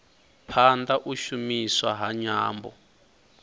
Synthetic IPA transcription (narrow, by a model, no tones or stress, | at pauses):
pʰandaʔuʃumiswaɦaɲaːmbɔ̰